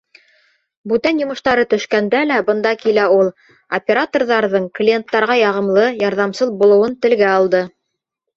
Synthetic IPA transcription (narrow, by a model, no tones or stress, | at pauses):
bʉt̪ænjŏmɤ̆ʃt̪ɑɾɤt̪ɵ̆ʃkænd̪ælæbɤ̆nd̪ɑkilæulˠ | opʲeɾat̪orðɑɾðɤɴklʲient̪ːɑɾʁɑjɑʁɤ̆mlˠɤjɑɾðɑmsɤðbulˠɤ̆wɤnt̪ɘ̆lɡæɑlˠd̪ɤ